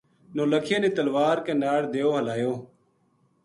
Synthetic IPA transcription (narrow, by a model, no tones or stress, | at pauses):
noːləkʰjeːneːt̪əlʋaːɾkẽːnaːɽd̪eːoːɦəlaːjoː